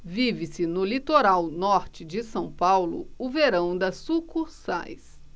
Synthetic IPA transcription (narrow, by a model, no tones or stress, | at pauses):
vivɪsɪnʊlit̪oɾawnɔɾt͡ʃɪd͡ʒɪsɐ̃w̃pawlʊ̰ʊveɾɐ̃w̃d̪ɐsukusa̰js